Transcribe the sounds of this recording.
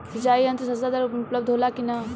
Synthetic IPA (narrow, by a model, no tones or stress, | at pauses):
sit͡ʃaiənt̪əsɐsd̪ad̪aɾupləb̚d̪ʱɦolakinɐ